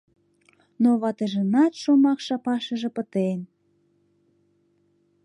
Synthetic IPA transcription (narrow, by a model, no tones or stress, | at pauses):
noβɑt̪əʒənɑt̪ʃomɑkʃɑpɑʃə̆ʒĕpət̪en